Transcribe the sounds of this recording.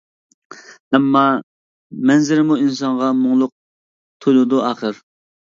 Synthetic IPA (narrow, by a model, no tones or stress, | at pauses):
ɛmːɑ | mɛnzɪɾɪmuinsɑŋʁɑmoŋlˠʊq̚ | t̪ʰojlˠud̪uɑːχəɾ